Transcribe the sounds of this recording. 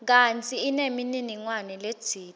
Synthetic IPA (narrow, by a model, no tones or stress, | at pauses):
k̬ant͡sʼiːnemininiŋwanɛled̥ʱiːt